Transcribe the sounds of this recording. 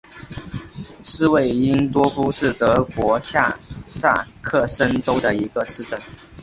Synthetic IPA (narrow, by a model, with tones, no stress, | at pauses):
ʂɻ̩˥we˥˩ɪi˥nt̪wɔ˥fu˥ʂɻ̩˥˩t̪ɤ˧˥kwɔ˧˥ɕja̰˥˧sa̰˥˩kʰɤ˥˩ʂə˥nʈ͡ʂo˥ʊd̪ə˨i˧˥ɡə˧ʂɻ̩˥˧ʈ͡ʂə˥˩n